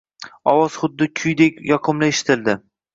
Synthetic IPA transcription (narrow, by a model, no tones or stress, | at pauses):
ɒwɒz̥χʊd̪ːɪkʲʰʊjd̪ekʲjɒqʰɨmlaeʃɪ̥t̪ʰɪld̪ɪ